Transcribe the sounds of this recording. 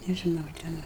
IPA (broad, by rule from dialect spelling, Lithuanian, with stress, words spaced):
nʲɛʒʲɪˈnɐʊ ˈtʲɛn